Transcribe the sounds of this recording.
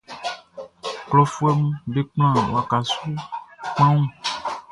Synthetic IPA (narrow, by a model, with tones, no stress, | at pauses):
klɔ˨fu˦ɛ˦mũ˦be˦k͡pl̃ã˦˨wa˨ka˨su˦k͡pã˦ŋũ˦